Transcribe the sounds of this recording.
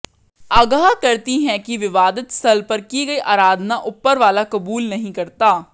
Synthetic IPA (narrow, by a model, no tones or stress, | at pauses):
aːɡaːkəɾt̪iːɦɛ̃ːkɪʋɪʋaːd̪ət̪səlpəɾkiːɡəiːʔaːɾaːd̪naːʔʊpːəɾʋaːlaːkəbuːlnəɦĩːkəɾt̪aː